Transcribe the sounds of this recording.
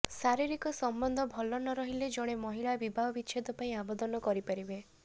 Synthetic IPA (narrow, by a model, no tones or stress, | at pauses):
saɾiɾikɔsɔmbɔnd̪ʱɔbʱɔlɔnɔɾɔɦiled͡ʒɔɽ̃emɔɦiɭabibʱaɦɔbit͡ʃʰed̪ɔpaĩabɔd̪ɔnɔkɔɾipaɾibe